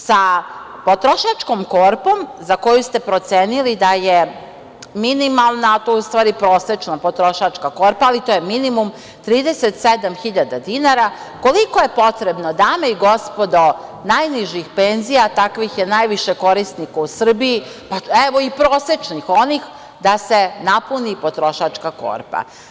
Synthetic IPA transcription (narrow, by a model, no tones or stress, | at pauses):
sa | po̞t̪ɾoʃat͡ʃko̞mko̞ɾpo̞mzako̞just̪e̞pɾo̞t̪seːnilid̪aje | minimalˠnat̪oust̪ʋaːɾipɾo̞ːset͡ʃnapo̞t̪ɾo̞ʃat͡ʃkako̞ɾpaːlit̪ojeminimum | t̪ɾiːd̪eset̪sed̪amxiʎad̪ad̪inaɾa | ko̞likoje̞po̞t̪ɾebnod̪ameiɡo̞spod̪onajniʒixpenzijat̪akʋixjenajʋiʃeko̞ɾisnikausr̩biji | paɛʋoipɾoːset͡ʃnixo̞nix | d̪asenapunipot̪ɾo̞ʃat͡ʂkako̰ɾpa̰